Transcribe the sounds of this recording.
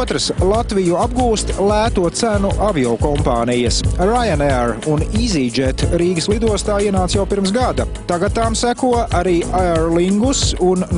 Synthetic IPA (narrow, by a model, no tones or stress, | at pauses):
t̪ɾəslˠat̪vijuab̚ɡuːst̪lˠæːt̪uɔt̪sænuʔaviɔkɔmpaːnijɐsɾajanɛɾunizid͡ʒɛt̪ɾiːɡəslˠid̪uɔst̪aːiɛnaːt̪sjawpiɾms̬ɡad̪ɐt̪aɡat̪ːamsækuɔʔaɾiːʔaɛɾliŋɡusun